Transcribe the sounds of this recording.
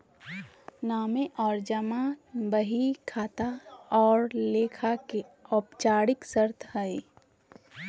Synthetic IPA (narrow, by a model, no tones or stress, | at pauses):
naːmeʔɔːɾd͡ʒəmaːbəɦikʰaːt̪aɔːɾleːkʰakeɔːpt͡ʃaːɽɪksəɾt̪ʰɦəe